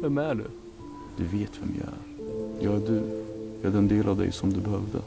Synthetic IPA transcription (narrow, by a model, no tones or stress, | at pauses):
ɛmɛɖɵ̰ | d̪̥ɵveːt̪vɛmjɑ̰æɾɾjɑːd̪ɵjɛd̪ɛnd̪eːlʔavd̪ɛ̰jsɔmd̪ɵbɛhœvd̪ə̰